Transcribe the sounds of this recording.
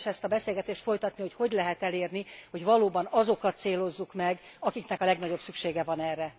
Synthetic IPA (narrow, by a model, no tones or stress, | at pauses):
ʃɛst̪ɒbɛseːlɡɛt̪eːʃt̪fo̞jt̪ɒt̪niho̞cho̞ɟlɛɦɛt̪ɛleːrniho̞ɟvɒloːbɒnɒzo̞kɒt̪seːlo̞zːukmɛɡɒkikn̪ɛkɒlɛɡnɒɟo̞psykʃeːɡɛvɒnɛrːɛ